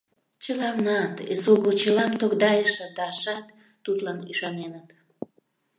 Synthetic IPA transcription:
t͡ɕəlɑvnɑt̪ezuɣəlt͡ɕəlɑmt̪okd̪ɑjəʃə̆d̪ɑʃɑt̪ː | ut̪lɑnyʃɑnenət̪

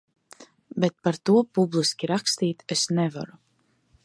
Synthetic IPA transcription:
bet̪̚paɾt̪uɔpublˠiskʲiɾakst̪iːt̪esnɛva̰ɾu

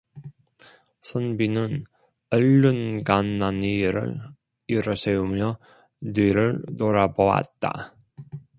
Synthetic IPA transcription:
sʰʌnbinɯn | ʌɭːɯnɡanːaniɾɯ̰ɭ | iɾʌsʰeumjʌ | dwiɾɯɭtoɾaboa̰t̚t͈a̰

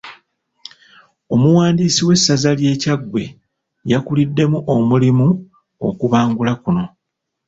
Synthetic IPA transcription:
o̞muwaːndiːsiwe̞sːazalje̞ːcaɡwe̞̰ | jakulidːe̞muʔomulimu | o̞̰kuβaːŋɡulakuno̞

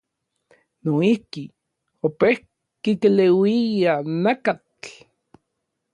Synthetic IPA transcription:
noihki | opeh | kikelewijanakat͡ɬ

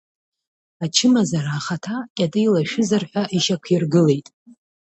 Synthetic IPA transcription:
at͡ʃʰɨmazaɾaːχatʰakʲʼadɨjlaʃᶣɪzarħʷᶣaʔiʃakʷʰirɡɨle̞jtʼ

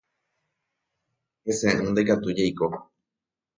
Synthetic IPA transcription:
hesẽʔɨ̃nd̪ekat̪ud͡ʒejko

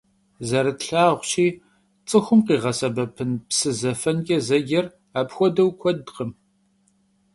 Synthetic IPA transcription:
zɐɾɐtɬaːʁʷɕiː | t͡sʼɨxʷʊmqiːʁɐsɐbɐpʰɨnpsɨzɐfɐnɡʲʼɐzɐɡʲɪr | aːpxʷɔdɐwkʷʰɔdqəm

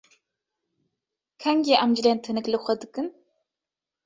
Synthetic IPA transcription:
kʰɐŋɡʲeʔɐmd͡ʒlentʰɨnɨklɨχʷɐdɨkʼɨn

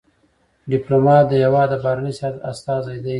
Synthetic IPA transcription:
ɖɪplomɑt̪̚d̪əjawɑd̪əbaɾanəshat̪a̰st̪ɑzajd̪a

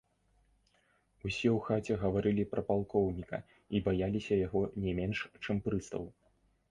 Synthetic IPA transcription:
usʲɛwxat͡sʲɛɣɐvaɾɨlʲipɾɐpalˠkɔwnʲikɐ̰ | ibajalʲisʲɐjaɣɔnʲɛmʲɛnʂt͡ʂɛmpɾɨst̪ɐ̰w

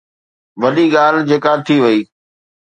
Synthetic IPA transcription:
ʋɐɗiɠaːld͡ʑeːkat̪ʰiʋɐiː

